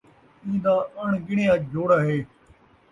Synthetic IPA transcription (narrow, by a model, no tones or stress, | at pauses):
ĩːd̪aːʔəɳɡɪɳ̃eːaːd͡ʒʱoːɽaːɦeː